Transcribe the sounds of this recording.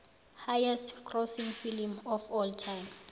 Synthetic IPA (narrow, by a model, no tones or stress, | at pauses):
hajɛstʰkʰrɔsiŋfilimɔfɔltʰajm